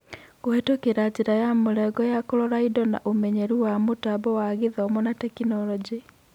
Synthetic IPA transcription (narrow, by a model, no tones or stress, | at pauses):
ɡoetokeɾad͡ʑeɾajamoɾɛɡɔjakoɾɔɾaidɔna̰ʔomɛɲɛɾuwamotabɔwaɣeðɔmɔnatɛkinɔɾɔd͡ʒi